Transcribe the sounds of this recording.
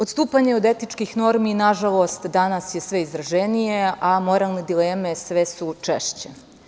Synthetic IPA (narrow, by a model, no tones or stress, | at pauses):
o̞t̪st̪uːpaɲe̞o̞d̪e̞t̪nit͡ʃkixno̞ɾminaʒalˠo̞ːst̪d̪anasje̞sʋeizɾaʒenijeʔamo̞ɾalˠned̪ileːme̞sʋesut͡ʂeʃt͡ɕe